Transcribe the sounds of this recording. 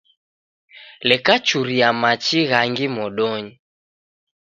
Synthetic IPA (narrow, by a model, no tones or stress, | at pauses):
lɛkat͡ʃuɾiamat͡ʃiɣaŋɡimɔɗɔɲi